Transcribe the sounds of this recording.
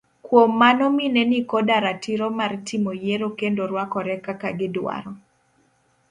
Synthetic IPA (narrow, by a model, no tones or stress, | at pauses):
kwomːanɔminɛnikɔdaɾatiɾomartʰimojeɾokendoɾwakɔɾɛkakaɡɪdwa̰ɾɔ